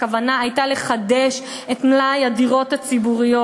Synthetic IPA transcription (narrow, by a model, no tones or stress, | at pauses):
kavanaːjtale̞χadeʃ | etmlajadiʁo̞that͡sibuʁijo